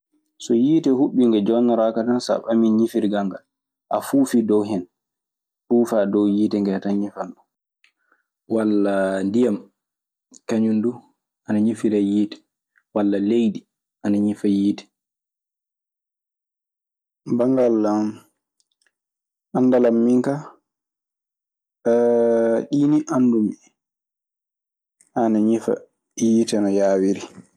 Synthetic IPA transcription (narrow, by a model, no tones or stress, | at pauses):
sɔjiːtɛhuɓːiŋɡɛd͡ʒɔnaɾakatansa̰ɓaminɲifiɾɡaŋɡal | ʔa̰fuːfidɔwɦɛn | fuːfaːdɔwjiːtɛŋɡɛtanɲifandu | walːandijam | kaɲundu | ʔanaɲifiɾajiːtɛ̥ | walːalejɗi | ʔanaɲifajiːtɛ̥ | baŋɡalːam | ʔandalamːiŋka | ɛɗiːniʔandumi | ʔanaɲifa̰ | jiːtɛnɔjaːwiɾi